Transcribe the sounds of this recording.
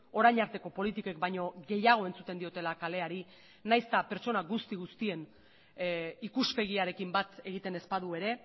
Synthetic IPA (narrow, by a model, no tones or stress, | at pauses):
o̞ɾajɲaɾt̪e̞ko̞po̞lit̪ikokbajɲo̞ɣe̞jaɣ̞o̞e̞nt͡sut̪e̞nd̪io̞t̪e̞lakale̞aɾi | najst̪ape̞ɾt͡ʃo̞naɣust̪iɣust̪ie̞n | ikuspe̞ɣ̞iaɾe̞kimbat̪e̞ɣit̪e̞ne̞spaðue̞ɾe̞